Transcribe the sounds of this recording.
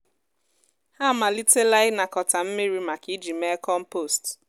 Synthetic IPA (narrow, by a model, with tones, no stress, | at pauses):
ha˦˨ma˨li˦te˦la˦ɪ˦na˨kɔ˨ta˨m̩˦me˦ɾi˦ma˨ki˦d͡ʒi˨me˦kɔ˦m̩˦po˦˨st